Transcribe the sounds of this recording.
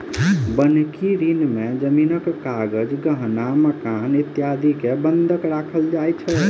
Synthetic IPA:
bənkiɾinmed͡ʒəminəkːaɡəd͡ʒɡəɦnaməkanit̪jad̪ʱikebənd̪ʱəkɾakʰəld͡ʒajt͡ʃʰə

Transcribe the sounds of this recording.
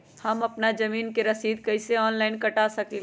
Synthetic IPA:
hɐmɐpnad͡ʒɐmiːnkeɾɐsiːd̪kɐɪseɔːnlaːɪnkɐʈaːsɐki

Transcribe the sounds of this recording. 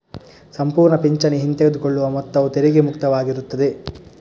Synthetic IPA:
sɐmpuːɾɳɐpiɲt͡ʃɐniɦint̪eɡɐd̪ukoɭːuʋɐmɔt̪ːɐʋut̪eɾiɡemukt̪ɐʋaːɡiɾut̪ːɐd̪e

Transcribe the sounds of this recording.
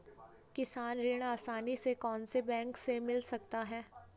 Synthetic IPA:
kɪsaːnɾɪːɽ̃aːsaːnisekɔːnsebɛ̃ːŋksemɪlsɐk̚t̪aɦɛː

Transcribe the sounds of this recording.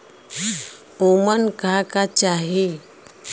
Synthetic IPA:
omənkakat͡ɕaɦe

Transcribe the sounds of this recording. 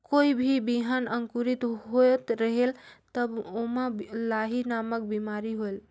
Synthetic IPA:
koibʱibiɦanəŋkuɾit̪ɦot̪ɾəɦelt̪əbomalaɦinamək̚bimaɾiɦoel

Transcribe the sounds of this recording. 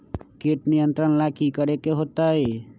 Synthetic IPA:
keʈnijə̃nt̪ɾənlakikəɾekeɦot̪ae

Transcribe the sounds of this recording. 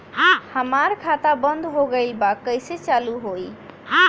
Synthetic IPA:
həmaɾkʰat̪abənd̪ʱɦoɡəɪlbakːəjset͡ʃaluɦoj

